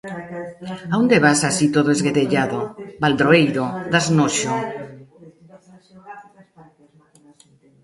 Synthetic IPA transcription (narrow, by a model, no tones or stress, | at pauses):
aund̪eβasasit̪oðoezɣeðeʎaðobald̪ɾoejðod̪aznoʃo